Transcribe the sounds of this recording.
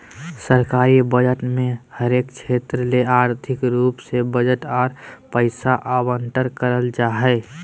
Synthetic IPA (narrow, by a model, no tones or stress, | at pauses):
səɾkaːɾibəd͡ʒəʈmẽhəɾeːkt͡ʃʰet̪ɾəleaːɾt̪ʰɪkɾuːpsebəd͡ʒəʈɔːɾpəɪsaʔabəɳʈəɾkəɾəld͡ʒaːɦɛ